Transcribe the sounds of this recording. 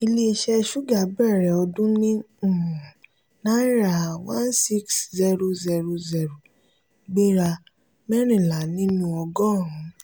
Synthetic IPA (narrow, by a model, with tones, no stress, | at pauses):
i˧le˦˧ʃɛ˦˧ʃu˦ɡa˨˦bɛ˦˨ɾɛ˨ɔ˧dũ˦nĩ˦˨ | nã˦ɾa˨wã˦nsi˦kszɛ˦ɾo˧˦zɛ˧ɾo˧zɛ˧ɾo˨ | ɡ͡bi˦ɾa˧ | mɛ˦ɾ̃ĩ˦˨la˨˦nĩ˦nũ˧˦ɔ˧ɡɔ̃˦˨ɾ̃ũ˨˦